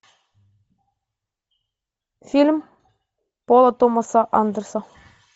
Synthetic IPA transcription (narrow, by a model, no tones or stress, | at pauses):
fʲilʲm | polˠɑt̪omɑsɑʔɑnd̪ɤ̆ɾsɑ